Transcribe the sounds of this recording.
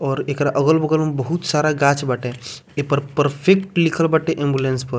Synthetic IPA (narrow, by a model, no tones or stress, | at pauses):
ɔːɾekɾaʔəɡəlbəɡələmbəɦut̪saɾaɡat͡ʃbaʈe | epəɾpəɾpʰekʈlikʰəlbaʈeʔẽmbjulẽnspəɾ